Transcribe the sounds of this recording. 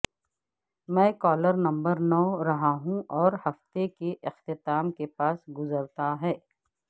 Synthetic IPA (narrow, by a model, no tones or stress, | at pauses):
mɛ̃ːkɔːləɾnɐ̃mbəɾnɔːɾɐɦaɦũɔːɾhɐft̪ekeʔɪxt̪ɪt̪aːmkepaːsɡʊzəɾt̪aɦɛː